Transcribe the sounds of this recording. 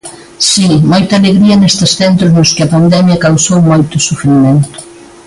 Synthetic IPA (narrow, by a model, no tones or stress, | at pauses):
simojt̪ɐaleɣɾiɐnest̪esθent̪ɾʊznoskɪɐpand̪ɛmjɐkawsowmojt̪ʊsufɾimẽnt̪ʊ̥